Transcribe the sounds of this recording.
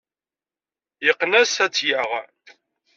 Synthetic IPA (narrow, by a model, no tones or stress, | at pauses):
jəqːnæsæt͡sːjaʁ